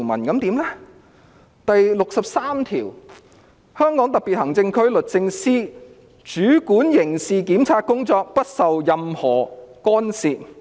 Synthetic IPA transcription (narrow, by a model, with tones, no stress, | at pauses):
mɐ˨˩nkɐ˨˧˥mt̪iː˨˥mlɛ˥ | t̪ɐ˨jlʊ˨k̚sɐ˨p̚saː˥mt̪ʰḭː˨˩w | hœː˥ŋkɔ˨˥ŋt̪ɐ˨k̚piː˨t̚hɐ˨˩ŋt͡sɪ˧ŋkʰɵ˥ɥlɵ˨t̚t͡sɪ˧ŋsiː˥ | t͡ʃyː˨˥kuː˨˥njɪ˨˩ŋsiː˨kiː˨˥mt͡sʰaː˧t̚kʊ˥ŋt͡sɔː˧k̚pɐ˥t̚sɐ˨wjɐ˨mhɔː˨˩kɔː˥nsiː˨t̚